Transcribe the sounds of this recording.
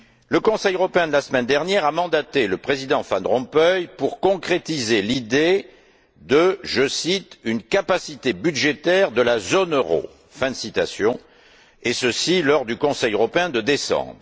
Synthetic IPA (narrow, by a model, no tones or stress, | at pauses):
ləkɔ̃sɛjøʁɔpeɛ̃d̪əlasəmɛnd̪ɛʁnjɛʁamɑ̃d̪at̪eləpχezid̪ɑ̃fanʁɔ̃pœjpuʁkɔ̃kχet̪izelid̪e | d̪əʒəsit̪ynkapasit̪ebyd̪ʒet̪ɛʁd̪əlazɔnøʁo̰ | fɛ̃d̪əsit̪asjɔ̃ | esəsilɔʁd̪ykɔ̃sɛjøʁɔpeɛ̃d̪əd̪esɑ̰̃bʁ